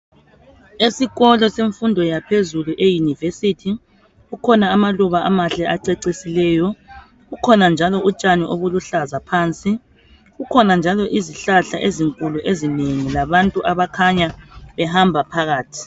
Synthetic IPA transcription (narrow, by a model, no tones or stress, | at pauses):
esiɣɔlɔseɱfundʱɔjapʰezuluʔejunivesitʰi | ukʰɔnaːmaluβaʔamaɬɛʔaǀɛǀisilɛːjɔ | ɣukʰɔnand͡ʒʱalɔut͡ʃʼaniʔoβuluɬazapʰaːnt͡sʼi | ɣukʰɔnand͡ʒʱalɔʔiziɬaɬaʔeziŋkʼuluʔezineŋilaβantʼuʔaβakʰaɲaβɛhambʱapʰaɣaːtʰi̥